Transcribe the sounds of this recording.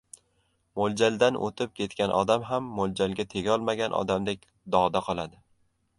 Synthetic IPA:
mold͡ʒald̪anʔo̰t̪ʰɪp̚kʲʰe̞t̪kʲanʔɒ̰d̪amɦamːold͡ʒalɡʲat̪ʰe̞ɡʲɒlˠmaɡʲanʔɒ̰d̪amd̪e̞kʲ | d̪ɒd̪aqʰɒlˠad̪ɪ

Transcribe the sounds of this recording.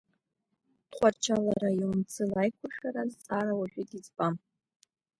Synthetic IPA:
tχʷart͡ʃʰalaɾaiwʊmt͡sʰɨlajkʷʰʊrʂaɾazt͡sʼaɾawaʒᶣitʼit͡sbʼam

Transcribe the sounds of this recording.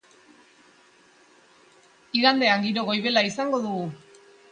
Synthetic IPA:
iɣand̪e̞aŋɡiɾo̞ɣo̞jβe̞laisaŋɡo̞ðuɣu

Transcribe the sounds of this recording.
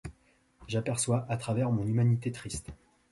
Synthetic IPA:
ʒapɛʁswaʔat̪χavɛʁmɔ̃nymanit̪et̪χist̪

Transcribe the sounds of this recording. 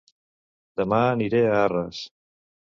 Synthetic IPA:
d̪əmaːniɾeaarəs

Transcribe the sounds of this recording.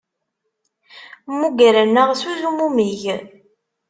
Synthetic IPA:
muɡæɾənːəʁsuzumumiʝ

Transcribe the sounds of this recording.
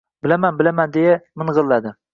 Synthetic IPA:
bɪlamanbɪlamand̪ejamɪɴʁɨlˠːad̪ɪ

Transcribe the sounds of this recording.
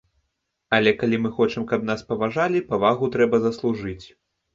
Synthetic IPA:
ɐlʲɛkalʲimɨxɔt͡ʂɨmkɐpn̪aspɐvaʐalʲipɐvaɣut̪ɾɛbɐzɐslˠuʐɨt͡sʲ

